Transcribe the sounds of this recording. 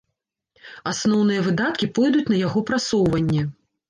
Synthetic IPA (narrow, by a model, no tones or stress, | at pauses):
asnɔwnɨjɐvɨd̪at̪̚kʲipɔjd̪ut͡sʲn̪ɐjaɣɔpɾasɔwvɐnʲːɛ